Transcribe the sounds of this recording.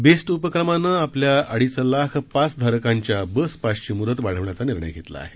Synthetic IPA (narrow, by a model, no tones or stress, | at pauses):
besʈupəkɾəmanːəːapljaʔəɽ̤islakʰpat͡sd̪ʱaɾəkaɲt͡ɕjabəspaʂt͡ɕimuɾət̪baɽ̤əʋɳjat͡saniɾɳə̰jɡʱet̪la̰a̰ɦe